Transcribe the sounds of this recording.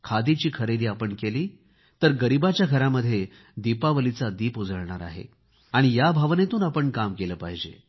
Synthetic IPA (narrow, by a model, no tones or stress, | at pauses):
kʰad̪it͡ɕiːkʰəɾed̪iːapəɳkeliː | t̪əɾɡəɾibat͡ɕjaɡʱəɾaməd̪ʱːje | d̪ipaʋəlit͡sad̪iːpud͡zəɭɳ̃aɾa̰ɦḛ | aɽ̃ijabʱaʋnet̪uːnapəɳkamkeləːpaɦid͡ʑḛ